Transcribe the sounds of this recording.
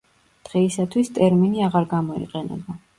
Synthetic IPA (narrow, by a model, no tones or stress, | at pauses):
d̪̥ʁɛisat̪ʰwist̪ʼɛɾminiaʁaɾɡamɔḭqʼɛnɛ̰ba